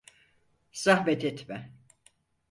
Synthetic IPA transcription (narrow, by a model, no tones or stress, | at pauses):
sahvɛt̪ʰɛt̪mɛ